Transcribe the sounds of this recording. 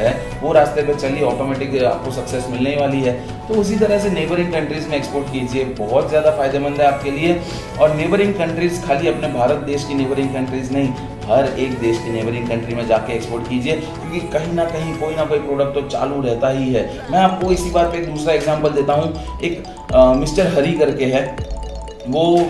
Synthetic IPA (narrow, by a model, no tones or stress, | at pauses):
ɦɛː | ʋoɾaːst̪epet͡ʃɐliɔːʈoːmɛːʈɪka̰ːp̚kosɐksɛsmɪlneʋaːliɦɛː | t̪oʊs̬it̪̬ɐɾəɦseneːbəɾɪ̃ŋkɐ̃ɳʈɾizmẽeːkspoːɾʈkiːd͡ʒiebɔɦʊt̪zjaːd̪afaːɪd̪emɐ̃nd̪ɦɛaːp̚kelie | ɔːɾneːbəɾɪ̃ŋɡkɐ̃ɳʈɾizkʰaːliɐpnebʱaːɾət̪̚d̪eːʃkineːbəɾɪ̃ŋɡkɐ̃ɳʈɾiːznɐɦĩ | ɦɐɾeːk̚d̪eːʃkineːbəɾɪ̃ŋɡkɐ̃ɳʈɾimẽd͡ʒaːkeːkspoːɾʈkiːd͡ʒie | kjõːkikɐɦĩnɐkɐɦĩkoːinɐkoːipɾoːɖək̚ʈt̪ot͡ʃa̰ːluɾɛɦt̪aɦiɦɛː | mɛ̃ːaːp̚koɪsibaːɾpeeːk̚d̪uːsɾaeːɡzãːmpəld̪eːt̪aɦũ | eːk | mɪsʈəɾɦɐɾikɐɾkeɦɛː | ʋoː